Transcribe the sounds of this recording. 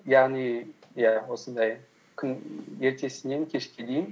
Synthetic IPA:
jaʁnijjæwo̞sənd̪ɑj | kʲʰʏne̞ɾt̪ʰe̞sɪne̞ŋkʲʰe̞ʃkʲe̞d̪ejɪn

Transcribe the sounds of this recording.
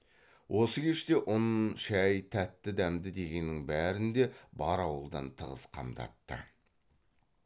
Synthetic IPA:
wʔo̞səkʲʰe̞ʃt̪e̞ʔʊnʃæjt̪ʰæt̪ːɪd̪æmd̪ɪd̪e̞ɡʲe̞nːɪŋbæɾɪnd̪e̞bɑɾɑwəlˠd̪ɑ̰nt̪ʰəʁəsqʰɑ̰md̪ɑ̰t̪ːə̰

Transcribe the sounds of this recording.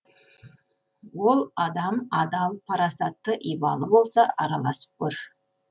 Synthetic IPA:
wo̞lˠɑd̪ɑmɑd̪ɑlˠpʰɑɾɑsɑt̪ːəʔijbɑ̰lˠəbo̞lˠsɑɑɾɑlˠɑsə̥p̚kʲʰɵɾ

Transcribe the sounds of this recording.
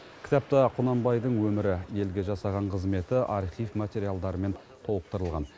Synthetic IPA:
kʲʰɪ̥t̪ɑp̚t̪ɪqʰʊnɑmbɑjd̪əɴwɵmɪɾɪje̞lɡʲe̞ʒɑsɑʁɑɴqʰəzme̞t̪ɪʔɑɾχifmat̪ʲeɾijalˠd̪ɑɾəme̞n | t̪ʰo̞wəq̚t̪əɾəlˠʁɑ̰n

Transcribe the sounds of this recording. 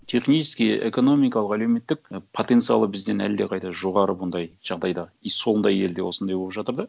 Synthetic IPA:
t̪ʰe̞χnijt͡ʃɪ̥skʲijḛko̞no̞mijkɑlˠəqæle̞wme̞t̪ːɪk̚pʰo̞t̪ent̪sɨjɑ̰lˠəbɪzd̪e̞næ̰ld̪e̞qʰɑjt̪ɑʒo̞ʁɑɾəbʊnd̪ɑjʒ̥ɑʁd̪ɑjd̪ɑiso̞lˠnd̪ɑjeld̪ewo̞sənd̪ɑjbopʒɑt̪əɾd̪ə

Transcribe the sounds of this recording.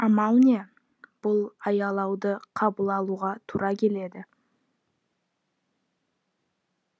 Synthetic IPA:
ɑmɑwne | b̥ʊlˠɑjɑlˠɑwd̪əqʰɑbəlˠɑlˠuʁɑt̪ʰuɾɑkʲʰe̞le̞d̪ɪ

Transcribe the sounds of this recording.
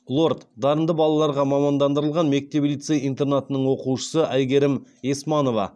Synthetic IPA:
lˠo̞rt̪d̪ɑɾənd̪əbɑlˠɑlˠɑɾʁɑmɑmɑnd̪ɑnd̪əɾəlˠʁɑnme̞k̚t̪e̞blʲijt̪sejijnt̪e̞rnat̪ənəɴwo̞quʃə̥səʔæjɡʲe̞ɾɪmesmɑno̞vɑ̰

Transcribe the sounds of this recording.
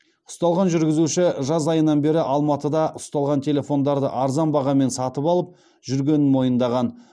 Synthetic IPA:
ʊ̥st̪ɑlˠʁɑnʒʏɾɡʲɪzuʃɪʒɑzɑjənɑnbe̞ɾɪʔɑlˠmɑt̪əd̪ɑʔʊst̪ɑlˠʁɑnt̪ʰe̞lʲe̞fo̞nd̪ɑɾd̪ə̰ʔɑɾzɑnbɑʁɑme̞nsɑt̪əpɑlˠəp̚ | ʒ̥ʏɾɡʲe̞nɪnmo̞jənd̪ɑʁɑn

